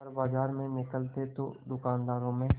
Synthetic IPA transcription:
əɾbaːd͡ʒaːɾmẽnɪkəlt̪et̪o̰d̪ʊkaːnd̪aːɾõmẽ

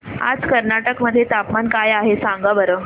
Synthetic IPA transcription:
a̰d͡zkəɾnaʈəkməd̪ʱːjet̪apmankajaɦesãŋɡabəɾə

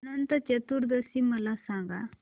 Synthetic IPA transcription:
nɐnt̪ɐt͡ʃɐt̪uɾd̪əsimɐlasãŋɡa̰

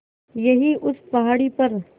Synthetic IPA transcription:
jɐɦiʔʊspɐɦaːɽipɐɾ

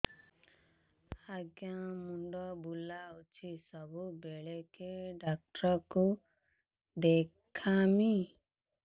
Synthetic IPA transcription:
aɡjãmuɳɖɔbulaut͡ʃʰisɔbubeɭekeɖak̚ʈɾɔku | d̪ekʰami

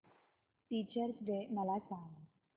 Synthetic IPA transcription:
ʈit͡ɕəɾsɖeməlasãŋɡ

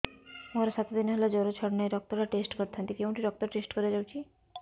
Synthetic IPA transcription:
oɾeʃat̪od̪inɦelad͡ʑɔɾot͡ɕʰɔɽnaeɖɔk̚t̪ɔɾaʈesʈkɔɾt̪ʰant̪ikew̃ɳʈiɖɔk̚t̪ɔɾʈesʈkoɾed͡ʑawt͡ɕʰi

